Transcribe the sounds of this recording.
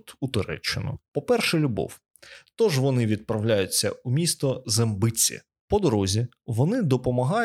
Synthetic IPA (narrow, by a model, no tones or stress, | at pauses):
t̪ʊt̪ɔɾɛ̰t͡ʃːɪnʊ̰pɔpɛrʃɛlʲʊbɔ̰w | t̪ɔʒʋɔnɪʋʲid̪̚pɾɐwlʲajʊt͡sʲːɐumʲist̪ɔzembɪt͡sʲːḭ | pɔd̪ɔɾɔzʲi | ʋɔnɪd̪ɔpɔmɐɦɑj